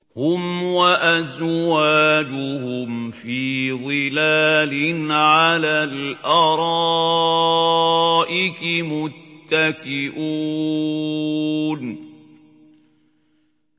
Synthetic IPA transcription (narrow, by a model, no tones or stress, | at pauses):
hʊmwaʔazwaːd͡ʒʊhʊmfiːðˤɨlaːlɪnʕalaːlʔɑɾˤɑ | ʔɪkɪmʊt̪ːakɪʔu | n